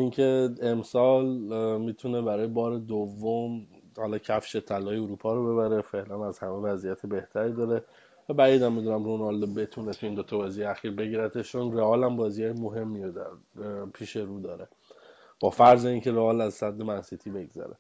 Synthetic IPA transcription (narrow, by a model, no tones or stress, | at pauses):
iŋcʰe̞emsɒːlmiːt̪ʰunebæɾɒːjebɒːɾed̪ovːom | hɒlɒːcʰæfʃet̪ʰːælɒːjeuɾuːpʰɒːɾobe̞βæɾe̞fe̞ʔlænæzhæmevæzijæt̪ʰebe̞ht̪ʰæɾid̪ɒːɾe̞ | væbæiːd̪æmːid̪unæmɾonɒld̪obe̞t̪ʰunet̪ʰujind̪o̞t̪ʰɒbɒːziejeæxiːɾbe̞ɟiːɾæt̪ʰeʃt͡ʃʰonreɒːlæmbɒːzijɒːjemoɦe̞mːiod̪æɾpʰiːʃe̞ɾuːd̪ɒːɾe̞ | b̥ɒːfæɾzeiːncʰe̞ɾeɒːlæzsæd̪ːe̞mænsit̪ʰiːbe̞ɡzæ̰ɾḛ